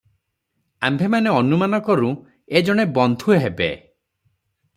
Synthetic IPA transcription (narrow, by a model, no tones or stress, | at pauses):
a̰mbʱemaneɔnumanɔkɔɾũ | ed͡ʒɔɽ̃ebɔnd̪ʱueɦebḛ